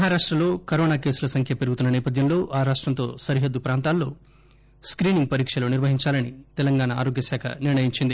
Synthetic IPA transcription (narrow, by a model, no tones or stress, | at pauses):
mɐɦaːɾaːʂʈɾɐlo̞ːkɐɾoːnaːke̞ːsulɐsɐŋkʰjɐpeɾɡut̪unːɐnɛːpɐd̪ʱjɐmlo̞ːʔaːɾaːʂʈɾɐnt̪o̞̰ːsɐɾiɦɐd̪ːupɾaːnt̪aːlːo̞ː | skɾiːniŋɡ̚pɐɾiːkʂɐloːniɾʋɐɦiɲt͡ʃaːlɐnit̪ɛlɐŋɡaːnɐa̰ːɾo̞ːɡjɐsaːkʰɐ̰niɾɳɐjiɲt͡ʃind̪i